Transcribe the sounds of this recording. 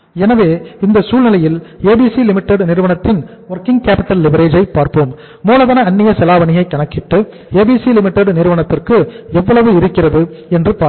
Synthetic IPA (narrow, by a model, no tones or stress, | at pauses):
ɛnɐʋeːɪnd̪ɐsuːlnɪlɐjɪleːbiːsilɪmɪʈːɛɽnɪɾɯʋɐɳɐt̪ːɪnʋɔɾkɪŋɡkaːpɪʈːɐlːɪʋɐɾeːd͡ʒɐɪpːaːɾpoːm | muːlɐðɐnɐɐnːɪjɐsɛlaːʋɐnɪjɐɪkːɐɳɐkːɪʈːɯ | eːbiːsilɪmɪʈːɛɽnɪɾɯʋɐɳɐt̪ːɪrkɯɛʋːɐɭɐʋɯɪɾɯkːɪrɐðɯɛndrɯpa